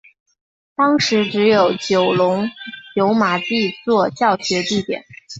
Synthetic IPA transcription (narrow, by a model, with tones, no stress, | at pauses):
t̪ɑ˥ŋʂɻ̩˧˥ʈ͡ʂɻ̩˧˥jo˨˩ʊt͡ɕjo˨˩ʊlʊ˧˥ŋt͡ɕjo˧˥ʊma˨˩t̪i˥˧t͡swɔ˥˧t͡ɕjɑ˥˩ʊɕɥɛ˧˥t̪i˥˩t̪jɛ̰˨˩˦n